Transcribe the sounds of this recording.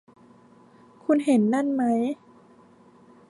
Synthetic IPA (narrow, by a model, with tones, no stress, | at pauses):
kʰu˧nɦe˩˦nːa˥˩˨nma˦˥j